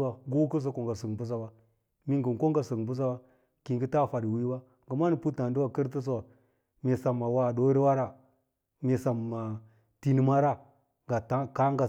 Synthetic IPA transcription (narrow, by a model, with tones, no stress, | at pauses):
wa˨ɡu˦ku˦s̬a˦ko˨ŋɡa˨sə˨ŋbu˦s̬a˦wa˦ | mi˦ŋɡə˨n˨ko˦ŋɡa˨sə˨ŋ˨bu˦s̬a˦wa˦ | ki˨ŋɡi˦ta˦˨fa˨di˨wi˦ba˦ | ɡə˨ma˦ni˨pu˦ta˨ndu˦wa˦kə˦ɾtə˦s̬wa˨ | me˨sa˨mːa˨wa˦˨do˦ɾi˦wa˦ɾa˦ | me˨sa˨ma˨ | ti˦ni˦ma˦ɾa˦ | ɡa˨ta˦ka˦ɡa˨